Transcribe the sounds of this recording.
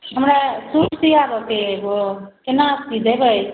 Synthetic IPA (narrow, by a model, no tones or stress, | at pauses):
ɦəmɾasuʈʰt̪iabəkebokenast̪id̪ebəj